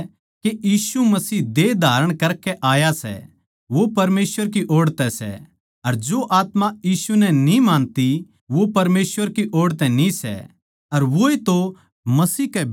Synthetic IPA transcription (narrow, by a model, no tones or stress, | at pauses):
kejiːsumɐsiːd̪ed̪ʱaːɾəɽ̃kɐɾkɛʔaːjasɛ̰ | ʋopɐɾmeːsʋəɾk̬iʔoːɽt̪ɛsɛ̰ | ɐɾd͡ʒoʔaːt̪majiːsunɛnĩmãːnt̪i | ʋopɐɾmeːsʋəɾkiʔoːɽt̪ɛ̃nisɛ̰ | ɐɾʋoːet̪o | mɐsiːkɛ